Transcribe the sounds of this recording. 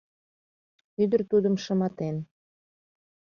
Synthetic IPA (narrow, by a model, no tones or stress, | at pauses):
yd̪ərt̪ud̪əmʃə̆mɑt̪en